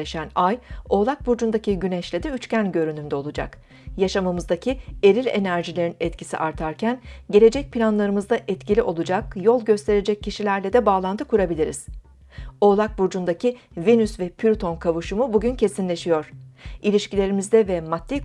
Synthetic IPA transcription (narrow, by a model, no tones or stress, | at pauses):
eʃænajo̞ːlˠak̚buɾd͡ʒund̪acʰiɟynɛʃlʲed̪iyt͡ʃcænɟø̞ɾynymd̪ɛo̞lˠud͡ʒa̰k | jaʃamamɯzd̪acʰie̞ɾilʲe̞̰næɾʒilʲe̞ɾinɛt̪cʰisḭʔaɾt̪ʰaɾcʰænɟe̞lʲe̞d͡ʒɛc̚pʰilʲanlˠaɾɯmɯzd̪aʔɛt̪cilʲiʔo̞lˠud͡ʒakjo̞lˠɟø̞st̪ʰe̞ɾe̞d͡ʒɛcʰːiʃilʲæɾlʲɛd̪ɛbaːlˠant̪ʰɯkuɾabilʲiɾḭz̥ | o̞ːlˠak̚buɾd͡ʒund̪acʰivinysvɛpʰyɾt̪ʰo̞nkʰavuʃumubuɟyncʰe̞sinlʲe̞ʃijo̞ɾ̥ilʲiʃcilʲe̞ɾimizd̪ɛvɛmat̪ːi